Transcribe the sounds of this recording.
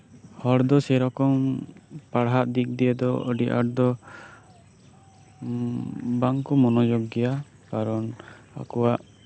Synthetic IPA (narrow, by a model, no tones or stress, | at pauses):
hɔɽd̪ɔsɛɾɔkɔmpaɽɦaʔ̪d̪ik̚d̪ijɛd̪ɔɔ̰ɖiʔa̰ʈ̚d̪ɔ | baŋkumɔnɔd͡ʒɔɡɛja | kaɾɔn | a̰kɔwaʔ